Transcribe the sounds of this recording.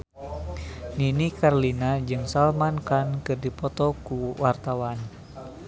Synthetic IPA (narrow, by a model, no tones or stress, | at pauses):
ninikarlinad͡ʒɨŋsalmankankɨrdipɔt̪ɔkuwart̪awan